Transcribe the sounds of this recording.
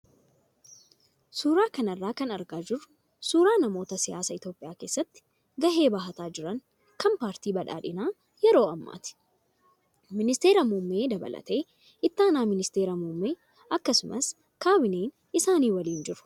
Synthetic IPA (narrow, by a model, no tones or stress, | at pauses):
suːɾaːkɐnɐrːaːkɐnɐɾɡaːd͡ʒɪrʊ̥ | suːɾaːnɐmo̞ːt̪ɐsɪja̰ːsɐɪt̪jo̞ːpʼːɪjaːke̞ːsːɐt̪ːɪ̥ | ɡɐɦe̞ːbaːɦɐt̪aːd͡ʒɪɾɐŋ | kɐmpaːɾt̪iːbɐᶑa̰ːᶑɪnaː | jɛɾo̞ːɐmːa̰ːt̪ɪ̥ | mɪnɪst̪e̞ːɾɐmumːe̞ːd̪ɐbɐ̰lʔɐ̰t̪e̞ː | ɪt̪ːaːnaːmɪnɪst̪e̞ːɾɐmumːeː | ʔɐkːɐsʊmʔɐ̰s | kaːbɪneːn | ɪsaːniːwɐliːnd͡ʒɪɾʊ̥